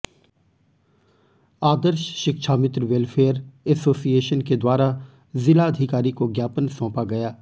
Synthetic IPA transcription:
aːd̪əɾʃʃɪkʃʰaːmɪt̪ɾʋelfʰeːəɾɛsoːsieːʃənked̪waːɾa | zɪlaəd̪ʱɪkaːɾikoɡjaːpənsɔ̃ːpaɡɐjaː

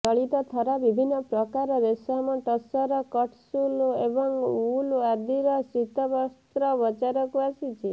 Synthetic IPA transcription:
t̪ɔɭit̪ɔt̪ʰɔɾabibʱinːɔpɾɔkaɾɔɾesamɔʈɔsɔɾɔkɔʈʰsulebɔŋuluad̪iɾɔsɾit̪ɔbɔst̪ɾɔbɔt͡ʃaɾɔkuasit͡ʃʰi

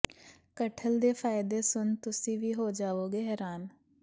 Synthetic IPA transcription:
kəʈʰəld̪eːpʰaːɪd̪eːsʊnt̪ʊsĩːʋiːɦoːd͡ʒaːʋoːɡeːɦɛːɾaːn

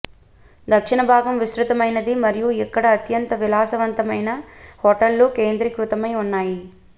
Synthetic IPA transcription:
d̪ɐkʂiɳɐbʱaːɡɐmʋisɾut̪ɐmɐjnɐd̪imɐɾijuɛkːɐɽɐːt̪jɐnt̪ɐʋilaːsɐʋɐnt̪ɐmɐjnɐhoːʈɐlːukeːnd̪ɾikɾut̪ɐmɐjunːaːji

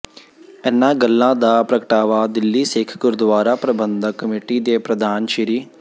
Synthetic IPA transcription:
ɛnːãːɡəlːãːd̪aːpɾəkəʈaːʋaːd̪ɪlːiːseːkʰkʊɾd̪ʋaːɾaːpɾɐbənd̪ʱəkəmiːʈiːd̪eːpɾɐd̪ʱaːnʃiɾiː

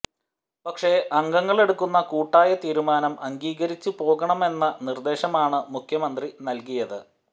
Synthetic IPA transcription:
pɐkʂe̞ʔɐŋɡɐŋːɐɭe̞ɽukːunːɐkuːʈːaːjɐt̪iːɾumaːnɐmʔɐŋɡiːɣɐɾit͡ɕːupo̞ːɣɐɳɐme̞nːɐnird̪e̞ːɕɐmaːɳɨmukʰjɐmɐnd̪rinɐlkijɐðɨ

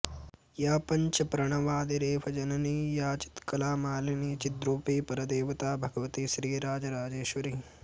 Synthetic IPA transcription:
jaːpɐɲt͡ʃɐpɾɐɳ̃ɐʋaːd̪iɾeːʋɐd͡ʒɐnɐniːjaːt͡ʃi̥t̪kɐlaːmaːlɐniːt͡ʃit̪ɾuːpiːpɐɾɐd̪eːʋɐt̪aːbʱɐɡɐʋɐt̪iʃɾiːɾaːd͡ʒɐɾaːd͡ʒeːʃʋɐɾi

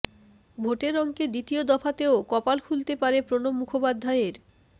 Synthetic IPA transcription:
bʱoʈeɾɔŋked̪it̪iod̪ɔfʰat̪eokɔpalkʰult̪epaɾepɾonomːukʰopad̪ʱːaeɾ

